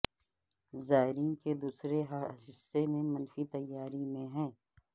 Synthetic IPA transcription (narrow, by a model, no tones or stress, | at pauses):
zaːɦɪɾiːnked̪uːsɾeɦdɪsːemẽmɐnfit̪ɐjːaːɾimẽɦɛ̃ː